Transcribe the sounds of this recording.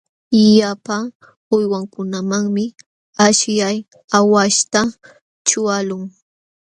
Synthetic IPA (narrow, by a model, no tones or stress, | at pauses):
japa | ʊjwaŋkʊnamaŋmɪ | aʃjaj | awaʃt̪a | t͡ʃʊalʊŋ